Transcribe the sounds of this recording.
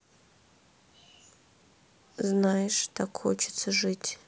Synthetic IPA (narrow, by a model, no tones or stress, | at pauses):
znajɪʂt̪ʰakxo̰t͡ʃʰɪ̥t̪səʐɨtʲ